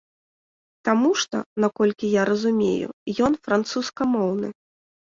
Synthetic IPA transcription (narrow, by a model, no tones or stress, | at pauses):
t̪amuʂt̪ɔ̰nakɔlʲkʲijaɾɐzumʲḛjṵjɔn̪fɾant̪suskɐmɔwnɨ̰